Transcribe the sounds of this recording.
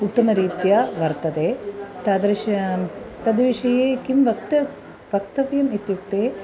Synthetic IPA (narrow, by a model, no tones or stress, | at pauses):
uʈ̪ːɐnɐɾiːt̪jaʋɐɾt̪ɐd̪eːt̪ɐd̪ɾiʃɐt̪ɐd̪ʋiʂɐjeːkimʋɐkt̪ɐ | ʋɐkt̪ɐʋjɐmit̪juk̚t̪eː